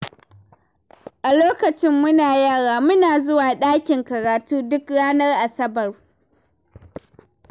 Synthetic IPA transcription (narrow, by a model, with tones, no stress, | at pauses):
ʔa˨loː˦kɐ˨t͡ʃɪ˦mːʊ˦naː˨jaː˦˨ɽaː˨mʊ˦naː˨zʊ˦waː˨ɗaː˦kʲɪ˨ŋkɐ˨ɾaː˨tuː˦dʊ˦kɽaː˦nɐ˦rʔa˨sɐ˦bɐ˨r